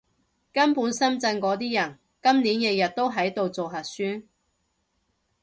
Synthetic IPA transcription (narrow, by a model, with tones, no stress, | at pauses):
kɐ˥npuː˨˥nsɐ˥mt͡sɐ˧nkɔː˨˧˥t̪̬iː˥jɐ˨˩n | kɐ˥mniː˨˥njɐ˧jɐ˨t̚t̪o˥wɦɐ˨˥jt̪o˨˧wt͡so˨wɦɐ˨˩t̚syː˥n